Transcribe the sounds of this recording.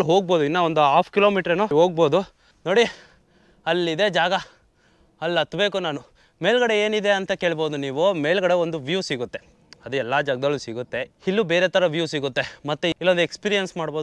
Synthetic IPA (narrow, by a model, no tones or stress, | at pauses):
ɭɦo̞ːɡ̚bo̞ːd̪uinːɐond̪uaːpʰkiloːmiːʈɐɾenuɦo̞ːɡ̚bo̞ːd̪u | no̞ːɽi | ɐlːid̪e̞d͡ʒaːɡɐ | ɐlːɐt̪ːube̞ːkunaːnu | me̞ːɭɡɐɽeeːnid̪e̞ɐnt̪ɐke̞ːɭbo̞ːd̪uniːʋume̞ːɭɡɐɽeo̞nd̪uʋjuːsiɡut̪ːe̞ | ɐd̪uɛlːaːd͡ʒɐɡɐd̪ɐɭlːusiɡut̪ːe̞hilːubeːɾet̪ɐɾɐʋjuːsiɡut̪ːe̞mɐt̪ːuilːond̪ekspiːɾijɐnsmaːɽboːd̪